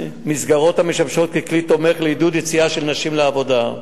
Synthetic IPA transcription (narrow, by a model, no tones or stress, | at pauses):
misɡaʁo̞t̪hameʃamʃo̞t̪̚keklit̪o̞me̞χleid̪ud̪jet͡siaʃelnaʃimleavo̞da